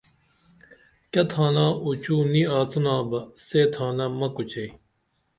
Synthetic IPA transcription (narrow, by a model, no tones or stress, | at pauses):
kɐt̪ʰãːnãːut͡ɕuːniaːt͡sɐnãːbɐseːt̪ʰãːnɐmɐkut͡ɕei